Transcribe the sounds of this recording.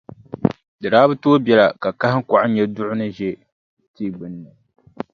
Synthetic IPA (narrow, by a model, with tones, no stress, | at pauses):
dɨ˨ɾaː˦bɨ˦toː˦bɛ˨la˨ka˨ka˦hɪ˦ŋ̩˦ka˨ʔɪ˦ɲɛ˦dʊ˦ʔʊ˦nɨ˦ʒɛ˦ | tiː˦ɡ͡bɨ˨nːɨ˨